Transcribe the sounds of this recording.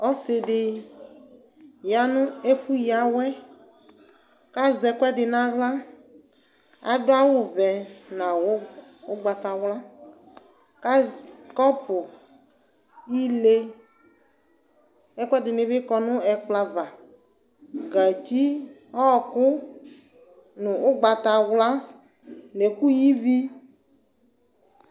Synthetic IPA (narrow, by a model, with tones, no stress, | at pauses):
ɔ˦sɪ˨ɖɪ˨ | ja˨nũ˦e˦fu˦ja˨wɛ˦ | ka˦zɛ˨kʷɛ˦ɖɪ˨nã˦wla˦ | a̰˨ɖʊ˦a˦wo˦vɛ˨nã˨wo˦wo˦ɡ͡ba˨t̪a˨wla˦ | ka˦kɔ˦pʊ˨ | ji˦le˦ | ɛ˦kɛ˦dɪ˨nɪ̃˦vɪ˦kɔ˦nʊ̃˦ɛ˨k͡pla˨va˨ | ɡa˨t͡ɕi˦ | ɔ˦˨kʊ˦ | nʊ̃˨ʊ˦ɡ͡ba˨t̪a˨wla˦ | le˨ku˦ji˦vi˦